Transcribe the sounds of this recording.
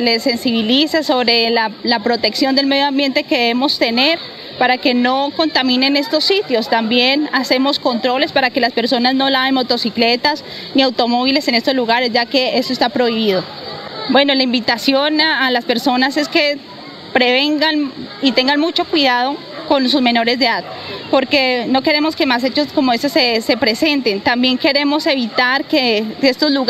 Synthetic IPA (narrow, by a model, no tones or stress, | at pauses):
le̞se̞nsiβilisaso̞βɾe̞lalapɾo̞t̪e̞ksjo̞nd̪elme̞ðjoambje̞nt̪e̞ke̞ðeβemo̞st̪e̞ne̞ɾ | paɾake̞no̞ko̞nt̪amĩne̞ne̞st̪o̞sːit̪jo̞st̪ambje̞nase̞mo̞sko̞nt̪ɾo̞le̞spaɾake̞laspe̞ɾso̞nazno̞laenmot̪o̞sikle̞t̪as | niawt̪o̞mo̞βile̞se̞ne̞st̪ozluɣaɾe̞sd͡ʒake̞est̪ost̪apɾo̞iβiðo̞ | bwe̞no̞laimbit̪asjo̞naalaspe̞ɾso̞nase̞ske̞ | pɾe̞β̞e̞ŋɡanit̪e̞ŋɡanmut͡ʃo̞kwiðaðo̞ | ko̞nsuzme̞no̞ɾe̞zd̪eat̪po̞ɾke̞no̞ke̞ɾe̞mo̞ske̞mas̬e̞t͡ʃosko̞moesesese̞pɾe̞se̞nt̪e̞nt̪ambje̞ŋkeɾe̞mo̞se̞βit̪aɾkekeest̪o̞zluɣ